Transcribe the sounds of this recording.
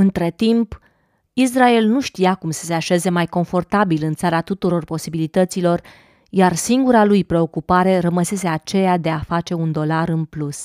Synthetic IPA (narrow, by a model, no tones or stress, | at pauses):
ɨnt̪ɾe̞t̪imp | is̬rae̞lnuʃt̪ijakumsə̥se̞aʃe̞ze̞majko̞ɱfo̞rt̪abilɨnt̪saɾat̪ut̪uɾo̞rpo̞sibilit̪ət̪silo̞r | jarsiŋɡuɾalujpɾe̞o̞kupaɾe̞ɾəməse̞s̬e̞at͡ʃe̞jad̪e̞afat͡ʃe̞und̪o̞laɾɨnplus